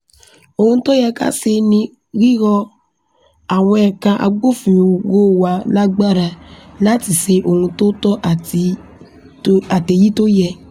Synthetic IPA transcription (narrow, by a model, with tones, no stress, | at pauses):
o˧hũ˧to˦jɛ˧ka̰˦se˧nĩ˧ | ɾi˦ɣɔ˧ | a˨w̃ɔ̃˧ɛ˨kã˧ʔa̰˧ɡ͡bo˦fĩ˨ɣo˦wa˨˦la˦ɡ͡ba˦ɾa˧la˦ti˨se˧ʔo˨hũ˧to˦tɔ˦ʔa˨i˧ | a˨te˨ji˦to˦jɛ˧